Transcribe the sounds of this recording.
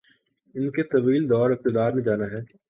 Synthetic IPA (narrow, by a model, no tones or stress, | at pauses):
ɪnket̪ɐʋiːld̪ɔːɾɪk̚t̪ɪd̪aːɾmẽd͡ʒaːnaɦɛː